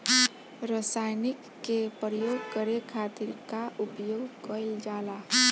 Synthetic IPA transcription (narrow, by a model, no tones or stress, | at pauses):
ɾəsajnikːepɾəjoːɡkəɾekʰat̪iɾkaʔupjoːɡkəld͡ʒaːla